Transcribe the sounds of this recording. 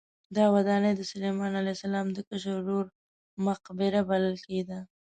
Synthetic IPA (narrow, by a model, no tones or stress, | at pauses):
d̪ɑwad̪ɑnəjd̪əsʊlemɑnalajsalɑmd̪əkəʃəːoɾ | maqbɪɾabaləlked̪a